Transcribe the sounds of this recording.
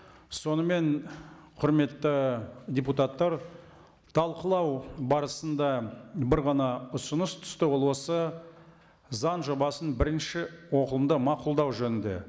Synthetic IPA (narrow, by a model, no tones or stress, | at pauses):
so̞nəme̞nqʰʊɾme̞t̪ːɪdʲeput̪ɑt̪ːɑɾ | t̪ʰɑlˠqəlˠɑwbɑɾəsənd̪ɑbɪɾʁɑnɑʊsənəst̪ʰʏ̥st̪ɪwolˠuəsə | zɑnʒo̞bɑsənbɪɾɪnʃɪwo̞qəlˠəmd̪əmɑqʊlˠd̪ɑwʒɵnɪnd̪e̞̰